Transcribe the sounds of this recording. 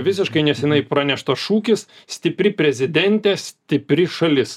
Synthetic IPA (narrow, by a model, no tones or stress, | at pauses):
ʋʲɪsʲɪʃkɐɪnʲɛsʲɛnɐɪpɾɑnʲɛʃt̪ɐʃuːkʲɪssʲt̪ʲɪpʲɾʲɪpʲɾʲɛzʲɪd̪ʲɛnʲt̪ʲɛsʲt̪ʲɪpʲɾʲɪʃɐlʲɪs